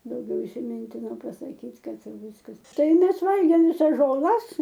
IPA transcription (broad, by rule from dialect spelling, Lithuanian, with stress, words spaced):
dɐʊˈɡʲɛʊ ɪsʲɪˈmʲɪnʲtʲɪnoː pɐsɐˈkʲiːtʲ ˈkɐt ˈʋʲɪskɐs ˈtɐɪ ˈmʲɛs ˈʋɐlʲɡʲeːm ʋʲɪˈsɐs ʒoːˈlˠɐs